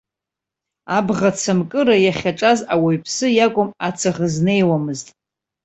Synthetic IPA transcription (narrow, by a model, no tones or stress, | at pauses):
abʁat͡sʰamkʼɨɾajaχʲaʈ͡ʂʼazawaɥpʰsɨjakʷʼʊmat͡sʰaʁəzne̞jwamɨztʼ